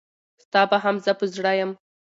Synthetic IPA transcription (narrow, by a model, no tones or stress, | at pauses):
st̪ɑbaɦamzəpəzɽajəm